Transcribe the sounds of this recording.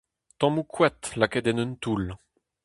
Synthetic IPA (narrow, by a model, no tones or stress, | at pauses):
t̪ɑ̃mukʰwɛt̪lakɛd̪ɛnønt̪ul